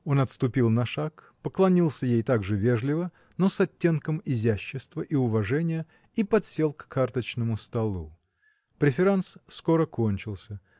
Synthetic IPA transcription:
o̞nɐt̪st̪ʊpʲilˠnɐʂak | pəklˠɐnʲilˠsʲəjejt̪aɡʐɨvʲe̞ʐlʲɪvə | no̞sɐtʲːe̞nkəmɪzʲæɕːɪst̪vəʔiʊvɐʐɛnʲɪjə | ipɐt̪sʲe̞lˠkːʰart̪ət͡ɕnəmʊst̪ɐlˠṵ | pɾʲɪfʲɪɾanssko̞ɾəko̞nʲt͡ɕɪlˠsʲə

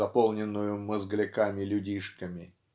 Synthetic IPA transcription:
ɐpolˠnʲɪnːʊjʊməzɡlʲɪkamʲɪlʲʊdʲiʂkəmʲɪ

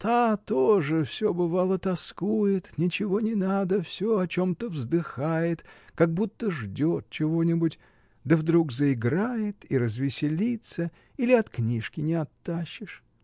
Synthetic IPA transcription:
t̪at̪oʐɨfsʲobɨvalˠət̪ɐskujɪt̪nʲɪt͡ɕɪvo̞nʲɪnad̪əfsʲoɐt͡ɕo̞mt̪əvzd̪ɨxajɪt̪kaɡ̚but̪ːəʐdʲo̞t̪̚t͡ɕɪvo̞nʲɪbʊtʲ | d̪əvd̪ɾukzəɪɡɾajɪt̪iɾəzvʲɪsʲɪlʲit̪sə | ilʲɪɐt̪knʲiʂkʲɪnʲɪɐt̪ːaɕːɪʂ

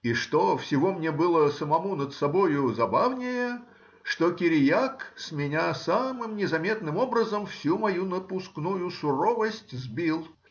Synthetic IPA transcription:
iʂt̪ofsʲɪvomnʲebɨlˠəsəmɐmunət̪sɐbojʊzɐbavnʲɪjə | ʂt̪okʲɪɾʲjaksmʲɪnʲasamɨmnʲɪzɐmʲe̞t̪nɨmo̞bɾəzəmfsʲumɐjunəpʊsknujʊsʊɾovəsʲtʲzbʲilˠ

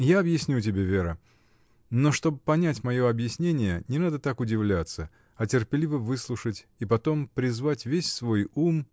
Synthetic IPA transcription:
jaɐbjɪsʲnʲutʲɪbʲevʲeɾə | no̞ʂt̪o̞bpɐnʲætʲmɐjo̞ɐbjɪsʲnʲenʲɪjənʲɪnad̪ət̪akʊdʲɪvlʲat̪sə | ɐtʲɪrpʲɪlʲivəvɨslˠʊʂətʲipɐt̪o̞mpɾʲɪzvatʲvʲesʲsvo̞jum

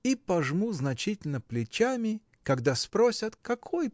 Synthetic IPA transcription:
ipɐʐmuznɐt͡ɕitʲɪlʲnəplʲɪt͡ɕamʲɪ | kɐɡd̪aspɾosʲət̪kɐkʰoj

